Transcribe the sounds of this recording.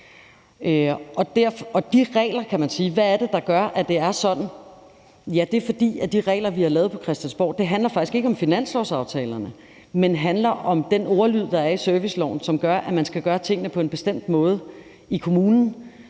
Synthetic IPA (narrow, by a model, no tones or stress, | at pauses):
øʔɒ̽d̥æɐ̰fɒ̽d̥iʁɛ̰ːlɐkʰæmænsiːʋææd̥e̝d̥ɑ̈ɡ̥ɶɐʔæd̥e̝æɐsɒ̽d̥n̩ | jæd̥e̝ɐfɒ̽d̥ḭːæd̥iʁɛ̰ːlɐʋihɑ̈lɛːð̞̩ˠpʰɒ̽kʰʁɛsd̥ænsb̥ɒ̰ːd̥e̝ɦænlɐfɑ̈ɡ̥isɡ̥e̝ɡəɒ̽mfinæn̰slɒʊsɑ̈ʊt͡sʰɛ̰ːlɐnə | menɦænlɐʔɒ̽md̥enoʊɐlyð̰ˠd̥ɑ̈æɐisøɐʋislɒ̰ʊ̰n̩sɒ̽mɡ̥ɶɐʔæmænsɡ̥æɡ̥ɶːɐt͡sʰe̝ŋ̰ənəpʰɒ̽e̝nb̥e̝sd̥em̰d̥mɔ̽ːð̞ˠə | ikʰo̝muːnn̩